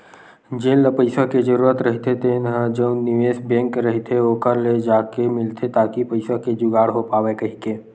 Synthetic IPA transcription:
d͡ʒeːlləpəɪsaked͡ʒəɾuːɾət̪ɾəɦit̪et̪ʰenɦə̃d͡ʒə̃ʊ̃nɪʋeːsbɛ̃ːŋkɾəɦit̪ʰeoːkəɾled͡ʒaːkemɪlt̪ʰet̪aːkipəɪsaked͡ʒʊɡaːɽɦopaːʋekɐɦikeː

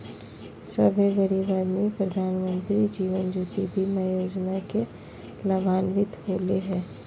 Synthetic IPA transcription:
səbʱeɡəɾibaːd̪mĩpɾəd̪ʱaːnmə̃nt̪ɾid͡ʒiːʋənd͡ʒuːt̪ibʱimajoːd͡ʒnake | ləbʱaːnʋɪt̪ɦoːleɦɛ̃ː

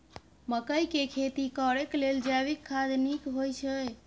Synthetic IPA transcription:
məkəjkekʰet̪ikəɾekleld͡ʒaβikʰːad̪nikɦojt͡ʃʰəj

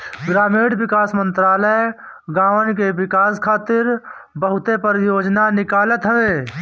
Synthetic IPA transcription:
ɡɾaːmeːɖʋɪkaːsmə̃nt̪ɾaːləj | ɡãːʋənkeʋɪkaːskʰaːt̪ɪɾ | bəɦʊt̪epəɾjoːd͡ʒnanɪkaːlət̪ɦəʋeː

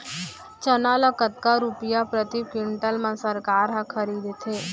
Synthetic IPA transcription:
t͡ʃənalɐkət̪̚kaɾupijapɾət̪ikɪɳʈəlmãsəɾkaːɾɦãkʰəɾiːd̪t̪ʰeː

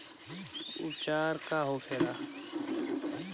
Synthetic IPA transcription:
ṵt͡ʃaːɾkaːɦoːkʰeːɾaː

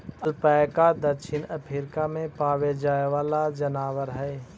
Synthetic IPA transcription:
əlpaːjkad̪əɾʃɪnəpʰɪɾkamẽpaːʋed͡ʒaːeʋaːlad͡ʒənaːwəɾɦɛː

